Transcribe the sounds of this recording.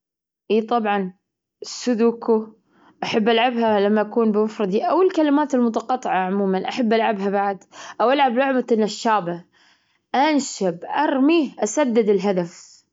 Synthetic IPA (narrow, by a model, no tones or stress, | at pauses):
ʔiːt̪ˤɑbʕɑn | sʊd̪uːku | ʔaħabːʔalʕabhalamːaʔakuːnbɪmafɾˤɑd̪ˤiʔawːalkalɪmaːt̪ɪlmʊt̪̬ɑqɑt̪ˤːɨʕaʕʊmuːmanʔaħabːalʕabɦabaʕd̪ʔawʔalʕablʊʕmaʔɪnːaʃːaːba | ʔanʃabʔɑɾˤmiːhʔasad̪ːɪd̪ɪlɦad̪af